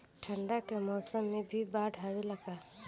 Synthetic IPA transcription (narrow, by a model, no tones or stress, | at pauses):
ʈʰə̃ɳɖakemɔːsəmːẽbʱibaːɖʱaɾeləɡaː